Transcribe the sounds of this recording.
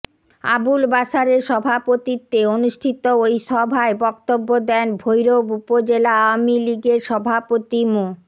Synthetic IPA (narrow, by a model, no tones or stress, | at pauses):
a̰bulbaʃaɾeɾʃɔbʱapot̪it̪ːeonuʃʈʰit̪oojʃɔbʱaebɔkt̪obːod̪ɛnbʱojɾobupod͡ʑelaawamiliɡeɾʃɔbʱapot̪imo